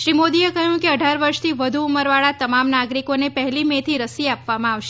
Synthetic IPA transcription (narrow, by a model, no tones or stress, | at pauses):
ʃɾimod̪iekəɦjũkeəɖʱaɾʋəɾʃt̪ʰiʋəd̪ʱuːməɾʋaɭat̪əmamnaɡɾikonepəɦɛlimet̪ʰiɾəsiapʋamãaʋʃe